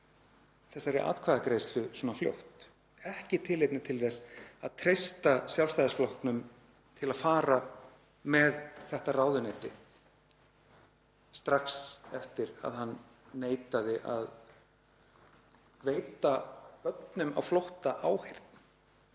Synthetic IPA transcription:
θɛsːaɾɪʔa̰ːt̪kʰvaːðakɾejst̪lʏsɔːnafljo̰wht̪ | ɛhcɪt̪ʰɪlejt̪nɪt̪ʰɪlθɛsaðt̪ʰɾejst̪asjalst̪ajðasflɔhknʏm | t̪ʰɪlaðfaːɾa | mɛðθɛht̪araːwðʏnɛjt̪ɪ̰ | st̪ɾaksɛft̪ɪɾa̰ðhanː | eːjt̪aðɪʔa̰ð | veːjt̪apœt̪nʏma̰wflowht̪aʔaːwhejr̥t̪̚n

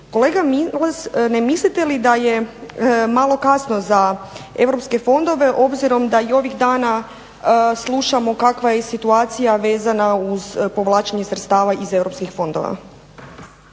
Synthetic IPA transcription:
ko̞le̞ːɡamilesnemislit̪e̞lid̪aje̞ | malˠo̞kasno̞zae̞ʋɾo̞pske̞fo̞nd̪o̞ʋe̞ʔo̞bziɾo̞md̪aio̞ʋiɣd̪aːna | slˠuʃamo̞kakʋajesit̪uaːt̪sijaʋe̞ːzanauzpo̞ʋlˠaːt͡ʃeɲe̞sɾet̪st̪aːʋaʔize̞ʋɾo̞pskixfo̞nd̪o̞̰ʋa̰

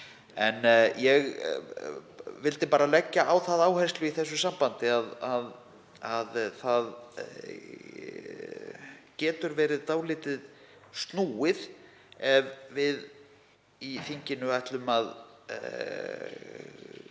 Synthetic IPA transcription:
ɛnjɛɣ | vɪlt̪ɪpaːɾalɛcːaʔawθaðaːwhajst̪lʏiθɛsːʏsampant̪ɪaðað | aðθað | cɛːt̪ʏɾvɛːɾɪðt̪aːwlɪːt̪ɪð | st̪nuːɪð | ɛvvɪð | iθiɲcɪnʏajht̪lʏmað

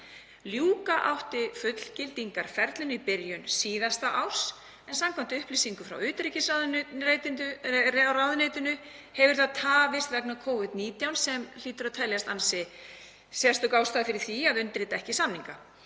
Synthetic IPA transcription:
ljuːkaʔa̰wht̪ɪfʏt̪l̥cɪlt̪iŋkaɾ̥fɛɾt̪lʏnʏipɪɾjʏnsiːðast̪aʔaws | ɛnsamkʰam̥t̪ɪʏhpliːsiŋkʏfɾa̰wʏːt̪ɾicɪsaðet̪ɪnt̪ʏraðnʏːt̪ʏnʏ | hɛvʏɾ̥θaðt̪ʰaːvɪst̪rɛknakʰoːwvɪt̪niːt̪jawnsɛml̥iːt̪ʏɾaðt̪ʰɛljast̪ansɪ | sɛst̪ʏkawst̪aːðfɪɾɪɾ̥θiaðʏnt̪ɾɪt̪aɛhcɪsamniŋka

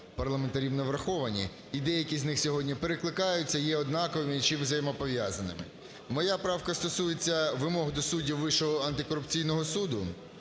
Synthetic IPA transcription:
pɐrlˠɐment̪ɐɾʲiwnɐʋɾɐxɔʋɐnʲḭ | id̪ɛjɐkʲizʲnɪxsʲɔɦɔdʲnʲipeɾeklˠɪkɑjʊt͡sʲːɐjɛɔd̪nɑkɔʋɪmɪt͡ʃiʋzɐjmɔpɔʋʲjazɐnɪ̰mɪ̰ | mɔjapɾɑwkɐst̪ɔsujet͡sʲːɐʋɪmɔɦd̪ɔsudʲiwːɪʃɔɦɔɐnt̪ɪkɔɾʊpt͡sʲijnɔɦɔsud̪ʊ

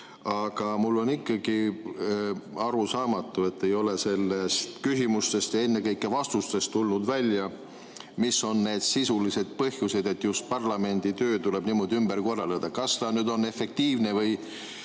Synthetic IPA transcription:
ɑɡ̥ɑmulːo̞nikːˑɑɡ̥i | ɑɾusɑːmɑt̪ːˑue̞t̪ːe̞jo̞le̞se̞lːest̪kysimust̪e̞st̪jɑe̞nːe̞kɤjkːˑe̞vɑst̪ust̪e̞st̪ːulnud̪vælʲjɑ | misːo̞nːe̞ːd̪̥sisulise̞d̪̥̚pɤhjuse̞d̪̥e̞t̪ːˑjust̪̚pɑrlɑme̞nʲd̪̥it̪ø̞ːt̪ule̞b̥niːmo̞d̪iymbe̞rko̞rːɑled̪̥ɑkɑst̪ɑnyːd̪o̞nːe̞fe̞k̚t̪iːvne̞vɤj

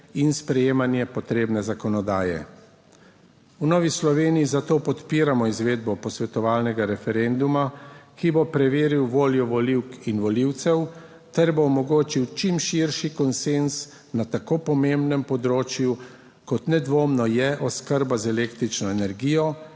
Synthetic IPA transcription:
inspɾɛjeːmanjɛpɔt̪ɾeːbnɛzakɔnɔd̪aːjɛ̰ | unɔːʋislɔʋeːnijizat̪oːpɔt̪piːɾamɔizʋeːd̪̚bɔpɔsʋɛt̪ɔʋaːlnɛɡaɾɛfɛɾend̪umakibopɾɛʋeːɾiwʋoːljɔʋɔliwkinʋɔliwt̪sɛw | t̪ɛɾboːmɔɡoːt͡ʃiwt͡ʃimʃiɾʃikɔnsens | nat̪akoːpɔmembnɛmpɔd̪ɾoːt͡ʃju | kɔt̪nɛd̪ʋoːmnɔjɛʔɔskəɾbazɛleːkt̪ɾit͡ʃnɔɛnɛɾɡiːjɔ

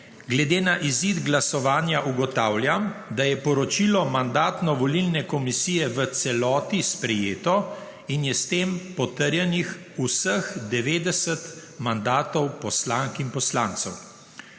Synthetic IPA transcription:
ɡlɛd̪eːnaʔizid̪ɡlasɔʋaːnjaʔuɡɔt̪aːwljamd̪ajɛpɔɾɔt͡ʃilɔmand̪aːt̪nɔʋɔlilnɛkɔmisijɛʋət̪sɛlɔːt̪ispɾɛjeːt̪ɔ | injɛst̪eːmpɔt̪əɾjɛnix | usəxd̪ɛʋeːd̪ɛsət̪mand̪aːt̪ɔwpɔslaŋkinpɔslaːnt̪sɔw

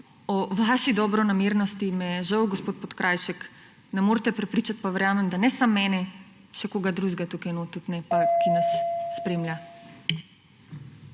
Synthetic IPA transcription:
ɔʋaʃid̪ɔbɾɔnameːɾnɔst̪imɛɛʒɐwɡospoːt̪̚pot̪kɾʔajʃɛk | nɛmoːɾt̪ɛpɾɛpɾiːt͡ʃat̪̚paʋɛɾjaːmɛmd̪anɛsamːɛːnɛ | ʃɛkoːɡad̪ɾuzɡat̪ukajnot̪ut̪nɛpakinasːpɾeːmlʲja

